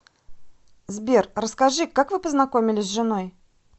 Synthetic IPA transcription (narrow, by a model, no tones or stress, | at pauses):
zbʲerrəskɐʐɨkakvɨpəznɐko̞mʲɪlʲɪsʲʐɨno̞j